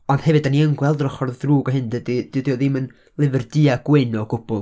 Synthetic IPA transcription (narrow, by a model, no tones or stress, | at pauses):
ɔnd̥hɛvɨdaniəŋɡwɛlˠdrɔχɔrðdruːɡɔɦɨndədid̥idiɔðɪmən | lˠɪvɛrdɨaɡ̥wenɔɡʊb̥ʊlˠ